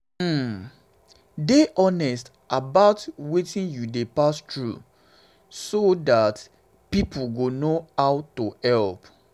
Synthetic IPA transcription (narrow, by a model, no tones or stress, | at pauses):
deʔɔnɛst | ʔabaʊtwetĩnjudepastɹṵ | sodat | pipʰʊɡonohaʊtohɛlp